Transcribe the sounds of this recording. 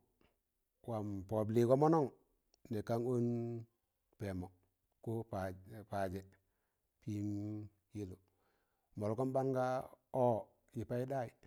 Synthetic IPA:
wa˨mpo˨bli˨ko˦mo˦no˦˨ŋ | ne˨ka˦ŋo˦n | pe˨mo˨ | ko˦ppa˨d͡ʒe˨ | pi˦m | ji˦lu˨ | mo˨lko˦nba˦nɡa˦o˦˨ | ji˨pa˦i˦da˦i˨

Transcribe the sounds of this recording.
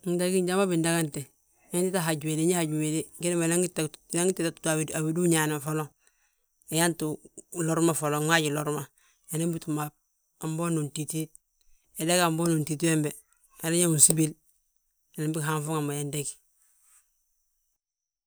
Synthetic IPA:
nda˦ɡi˦ɲɟa˦ma˦bi˨nda˦ka˦nte˨ | e˦nti˦ta˦ɦa˨ɟu˨we˨de˦ɲi˦ha˨ɟu˨we˨di˦ɡi˦ni˦ma˨la˦ŋi˦tːa˦ŋi˦tːeta˨tutaa˨idu˦ɲaː˨na˨fo˦lo˦ | e˨ja˦ntu˨lo˦ɾma˦fo˨lo˨ŋa˦ɟi˨lo˨ɾma˨ | je˨na˦mbi˦tu˨mab̚ | a˨mbo˦nu˨nti˨ti˦t̚ | e˨de˦ka˨mbo˦nu˨nti˨t̬i˦we˦mbe˨ | a˨ne˦ɲa˦ŋu˨nsi˦bi˦l | e˨na˨mbi˦kɦa˦ɱfu˦ŋa˨mba˨je˨ndeki̥

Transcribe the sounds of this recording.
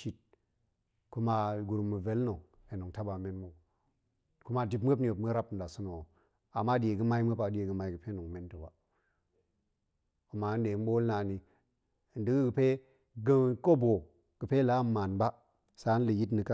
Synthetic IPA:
ʃi˦t̚ | ku˦ma˨ɡu˨ɾu˨mːə˨ve˦lno˨ | e˨no˨ŋta˦ba˨me˦nmo˨ | ku˦ma˦˨di˨bm˦ə˦ni˦jo˨bmə˦ɾa˦pn̩˨da˨su˦no˨o˨ | a˨mːa˦di˨je˨ɡə˦ma˦i˦m˦ə˦pa˨˦di˦e˨ɡə˨ma˨i˦ɡə˨pe˦no˨ŋme˦nto˨ba˨ | ku˨ma˨˦n˦de˨˦m˦ɓo˦lna˨ni˨ | ndi˦ɡɡə˨pe˦ | ɡə˦ko˦bo˨ | ɡ̥ə˨pe˦la˦mːa˨nba˦ | sa˦n˦lə˨ji˦tni˨ka˦

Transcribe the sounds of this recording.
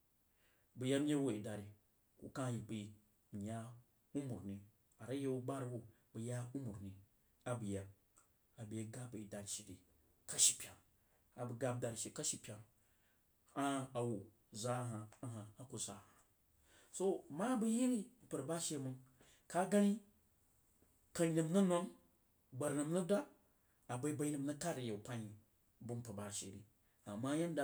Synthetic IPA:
bɨ˨ja˦m˦je˦wo˨i˨da˨ɾi˨ | kṵ˨kã˦ji˨bi˨ | ja˦ | u˦mu˨ɾni˨ | a˨ɾa˦je˦u˦ɡ͡ba˦ɾi˦wo˨ | bɨ˨ja˦u˦mu˨ɾni˨ | a˨bɨ˨ja˨b | a˨be˨˦ɡa˦pa˨i˨da˨ɾi˨ʃi˨ɾi˨ | ka˦ʃi˨pʲa˨ŋ | a˨bɨ˨ɡa˦b̚da˨ɾi˨ʃe˨ka˦ʃi˨pʲa˨ŋ | a˦a˨wo˨ | za˦ɦa˨a˨ɦa˨a˨ku˨za̰˨ha˨ | so˦ma˦bɨ˦ji˦ɾi˦m̩˨pɨ˨ɾba˦ʃe˦mɨ˦ŋ | ka˦ɡa˦ni˦ | ka˨ni˨mnɐ˦no˦m | ba˨ɾnɨ˨mnɨ˦da˦ | a˨ba˨i˦ba˨i˦ni˦mna˦ka˦ɾi˨je˨pa˦ɲi˨ | bɨ˦m̩˦pɨ˨ba˨ʃḛ˨ɾḭ˨ | a˨mːa˦ja˦n˦da˨

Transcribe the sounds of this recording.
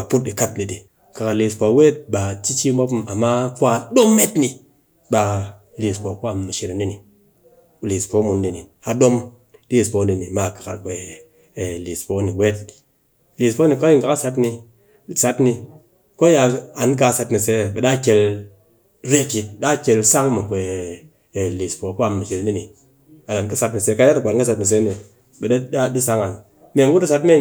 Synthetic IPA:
a˨pu˦t̚ɗi˨ka˦t̚ni˨di˨ | ka˨ka˨ɾli˨spo˨˦we˦t̚ɓa˨t͡ʃi˦t͡ʃi˦m˦o˦pma˨ma˦ku˦a˧ɗo˦mːe˦tni˧ | ɓa˨ | li˨spo˨ku˦a˨mu˨ʃi˧ɾe˨ni˦ni˨ | u˨li˨spo˦mu˨ndi˨ni˨a˨ɗo˦m | li˦˨spo˨˦ni˨ni˨ma˨kḁ˨ka̰˨ɾɡ͡be˨ | li˨spo˦ni˨we˦t̚ | li˨spo˦ni˨ko˦ji˦ŋka˨ka˦sa˦t̬ni˧˨ | sa˦tni˧ | ko˦ja˧a˨nk̬a˧˨sa˧tni˨se˦˨ɓe˨ɗa˦kʲe˧l | ɾe˦pi˨t̚da˦˨kʲe˧lsa˦ŋ˦mu˨kʷe˨ | li˨spo˨ko˦a˨mːi˨ʃe˨lni˦ni˨ | a˨la˨nki˦sa˧tni˨se˦ka˧˦ja˦ta˨k͡pʷa˨˦ka˦sa˧˦tni˨s̬e˦ni˨ | be˨˦a˦di˦sa˦ŋa˨n | me˨ŋ˦ku˦du˦sa˧tme˦

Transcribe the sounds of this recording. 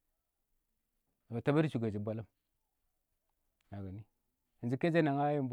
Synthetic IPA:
a˨ba˨ta˦ba˦ɾi˦t͡ʃu˨ɡa˨d͡ʒi˨bʷa˦la˦m | na˨ɡa˨ni˦ | i˨nd͡ʒi˦ke˦d͡ʒa˦na˨ŋa˦ji˦mb

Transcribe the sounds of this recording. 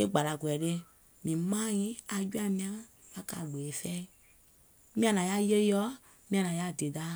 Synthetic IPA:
e˦ɡ͡ba˨la˨ɡu˨ɛ˨ɾe˧ | mĩ˨mã˦jĩ˦a˧d͡ʒu˦a˦mĩ˧a˦ | ba˦ka̰˨ɡ͡be˨e˨fɛ˦ | mĩ˦ã˨nã˨ja˦je˦jɔ˦ | mĩ˦a˨nã˨ja˦˨de˨da˦

